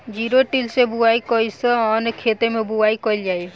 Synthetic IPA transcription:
d͡ʒiɾoʈilsebuajkɔjsɔɔnkʰet̪emẽbuaikɔild͡ʒaj

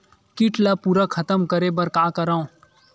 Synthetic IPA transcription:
kɪʈlapuɾakʰɐt̪əmkəɾebɐɾkaːkəɾaːõ

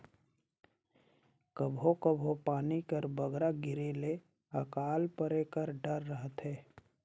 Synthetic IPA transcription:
kəbʱokəbʱopaːnikəɾbəɡɾaɡɪɾele | əkaːlpəɾekəɾɖəɾːəɦət̪ɦɛː

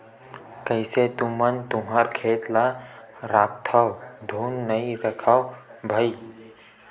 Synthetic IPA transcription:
kəjset̪ʊmənt̪ʊmɦaɾkʰeːt̪laɾakt̪ʰawd̪ʱuːnːəiɾəkʰawbʱai

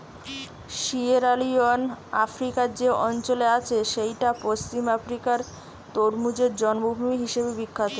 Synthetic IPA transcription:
ʃieɾalionafɾikaɾd͡ʑeʔɔnt͡ɕoleat͡ɕʰeʃejʈapost͡ɕimafɾikaɾ | t̪oɾmud͡ʑeɾd͡ʑɔnbubʱumiɦiʃebebikʰːat̪o

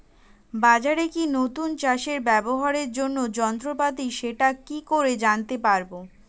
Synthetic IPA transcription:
bad͡ʑaɾekinot̪unt͡ɕaʃeɾbɛboɦaɾeɾd͡ʑonːod͡ʑɔnt̪ɾopat̪iʃeʈakikoɾed͡ʑant̪epaɾbo

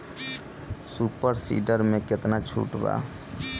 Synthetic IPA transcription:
supəɾsḭɖəɾmeket̪nat͡ʃʰṵʈba̰

